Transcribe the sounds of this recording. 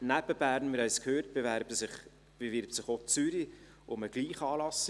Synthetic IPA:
næb̥əb̥æːɾnmɪɾœʏskʰhøːɾt̚b̥evæɾbsɪχ | b̥evɪɾp̚sɪχot͡syɾi | ʔʊməɡ̥liːχɑːlɑs

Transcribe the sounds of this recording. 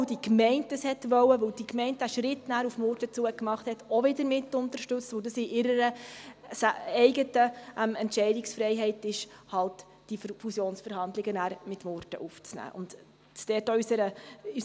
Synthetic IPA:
dikmɛɪntdəshɛtʋœwəʋɵwd̥ikmɛɪntæʃɾɪtnæːɾufmɔːɾtət͡suːəkmɑχthɛtɔʋɪdəɾmɪtːʊntəɾʃtɵt͡stʋəʊdəsɪʔɪɾəɾəsɛɪɡətəʔɛmɛntʃɛɪdɪksfɾɛɪɦɛɪtɪʃhɑlt | d̥ifusjoːnsfəɾhɑndlɪɡənæːɾmɪtmɔɾtəʔuft͡snæ̰ːʔʊ̰nd | t͡sd̥ɛːtɔysəɾəy

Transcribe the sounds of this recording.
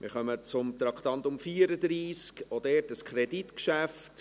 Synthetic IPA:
mɪ̰ɾχœmət͡sʊmt̪ɾɑktɑntʊmfiːəɾəd̪ɾiːskodɛːtəskχɾɛditkʃæft

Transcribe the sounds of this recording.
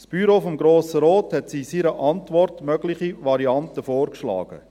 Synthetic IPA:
sb̥yɾoːfɔmɡɾoːsəɾɔːthɛtsiːsiɾəʔɑntvɔrtmœɡlɪχivɑɾiɑntəfoːɾkʃlɑ̰ːɡ̥ə̰

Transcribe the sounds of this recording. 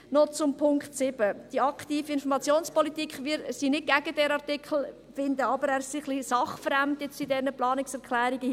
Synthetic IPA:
nɔt͡sʊmpʰʊŋkχt̪sɪb̥əd̥iɑkt̪iːfiɪnfɔɾmɑt͡sjoːnspɔlit̪iːkχʋɪɾsinɪt̚ɡæɡ̥ədɛɾɑʁtikχl̩ | fɪnd̪əɑbəɾæːsiχlisɑχfəɾæmt̪ɛtt͡sidɛnəplɑːnɪksɛɾkχlæːɾiɡə

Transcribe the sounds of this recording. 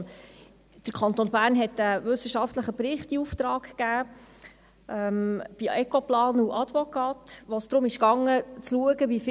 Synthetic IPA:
d̥əɾkʰɑnt̪onbæːɾnɦɛtæʋɵsəʃɑft̪ləχəpɾɪχtiuftɾɑːkkːæː | ʔɛmb̥iɛkoplɑːnuʔɑd̥̪ʋɔkɑːtʋosd̥̪ɾʊmɪʃkɑŋːət͡sluəɡəbif

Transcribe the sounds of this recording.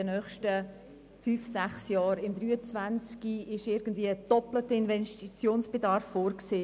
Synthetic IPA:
ənœːχʃtə | fyːfsæχsjɑːɾɪmd̪ɾyːət͡svant͡skiɪʃɪɾɡ̥ən̩dviːəəd̥ɔplətəɪnvɛnʃtit͡sjoːnsb̥edɑɾfːoːɾkseː

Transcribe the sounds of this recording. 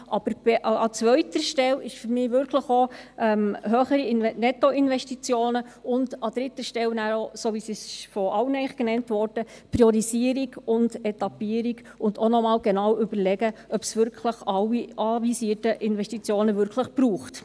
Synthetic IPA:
ʔɑb̥əɾb̥eʔɑt͡sʋœʏtəɾʃtɛlɪʃfyɾmɪːʋʏɾkʰləχoʔɛmhøːχəɾinnɛtɔɪnvɛʃtit͡sjoːnəʊndɑd̥ɾɪtːəʃtɛlnæːɾosoːʋisisfɔʔɑwnɛɪχɡ̥nɛntʋɔɾd̥əpɾiɔɾisiːəɾiɡʊnd̥ɛtɑpiːəɾiɡ | ʊndonɔmɑːlɡ̥enɑwʏb̥əɾlɛɡəœpsʋʏɾkʰləχɑwːiʔɑʋisiːətəʔɪnʋɛʃtit͡sjoːnəʋʏɾkʰləχb̥ruːχt

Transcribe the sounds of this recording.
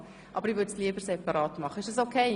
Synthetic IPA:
ʔɑbəɾivʏtsliəbəɾsɛpɑɾɑːtmɑχəɪʃd̥ɑsokʰeɪ

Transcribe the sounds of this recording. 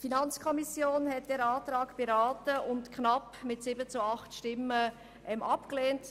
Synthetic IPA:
finɑnt͡skʰɔmisjoːnhɛt̚d̥ɛːɾaːtɾɑːkb̥eɾaːtəʊntkʰnɑpmɪtsibət͡suɑχtʃtɪmə | ʔɛmʔɑpkleːnt

